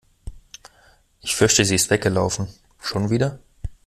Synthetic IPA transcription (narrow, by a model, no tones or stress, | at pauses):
ʔɪçfʏɐçtəziːɪstv̥ɛk̚ɡ̥əlaʊfn̩ | ʃoːnviːdɐ